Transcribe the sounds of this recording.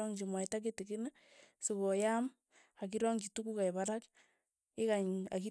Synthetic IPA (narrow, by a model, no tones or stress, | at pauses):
ɔŋd͡ʒimwaitak̬etikina | sikojam | akiɾoŋd͡ʒitukukaiβaɾak | ekaɲa̰ki